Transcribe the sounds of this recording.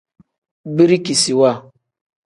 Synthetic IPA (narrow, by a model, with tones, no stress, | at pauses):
bi˦ɾi˦ki˨si˨wa˦˨